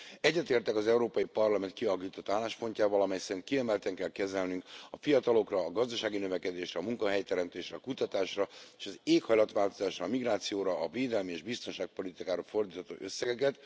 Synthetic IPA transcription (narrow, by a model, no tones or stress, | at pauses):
ɛɟːɛt̪eːrt̪ɛkɒzɛuɾoːpɒjipɒrlɒmɛnt̪̚kiɒkiːt̪ot̪ːaːlːaːʃpo̞ɲcaːvɒlɒmɛjsɛɾint̪kiɛmɛlt̪ɛŋkɛlkɛzɛlnyŋkɒfijɒt̪ɒlo̞krɒːɡɒzd̪ɒʃaːɡinøvɛkɛd̪eːʃɾɛːmuŋkɒɦɛjt̪ɛɾɛmt̪eːʃɾɛkut̪ɒt̪aːʃrɒeːʃɒzeːkhɒjlɒt̪ʋaːlt̪o̞zaːʃrɒːmiɡraːt̪sijoːɾɒːveːd̪ɛlmieʒbist̪o̞nʃaːk̚po̞lit̪ikaːɾɒfo̞rd̪iːt̪ɔt̪o̰ːʔøsːɛɡɛkɛt̪